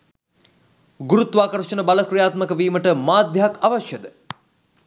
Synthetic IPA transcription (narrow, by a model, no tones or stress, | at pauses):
ɡuɾut̪ʋaːkɐɾʃənəbaləkrijaːt̪məkəʋiːməʈəmaːd̪jɐɦakʰaʋaʃjəd̪ə